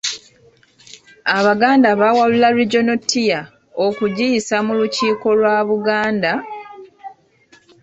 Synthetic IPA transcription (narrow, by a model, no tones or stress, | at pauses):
aβaɡaːndaβawalulaliɟo̞notːija | okuɟijisamuluciːko̞lwaːβuɡaːnda